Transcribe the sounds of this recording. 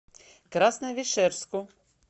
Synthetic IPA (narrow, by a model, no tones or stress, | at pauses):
kɾɑsnɛʋʲiʃɛɾskʊ